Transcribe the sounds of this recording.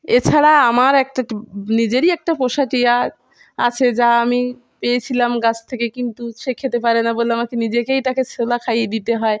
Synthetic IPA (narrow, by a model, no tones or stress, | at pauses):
et͡ɕʰaɾaamaɾɛk̚ʈanid͡ʑeɾiɛk̚ʈapoʃaʈija | a̰t͡ɕʰed͡ʑaami | pejet͡ɕʰilamɡat͡ɕʰt̪ʰekekint̪uʃekʰet̪epaɾenaboleamakenid͡ʑekejt̪akesʰolakʰajed̪it̪eɦɔe